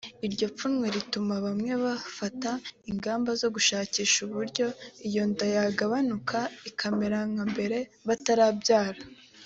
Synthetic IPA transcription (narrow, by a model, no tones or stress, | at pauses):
iɾɟo̞p͡funweɾitumaβamŋe̞βafataiŋɡaːmbazo̞ɡuʃaːciːʃuβuɾɟo̞ijo̞ndajaɡaβanukʰaikʰame̞ɾaŋambe̞ɾe̞βataɾaːbɟaːɾa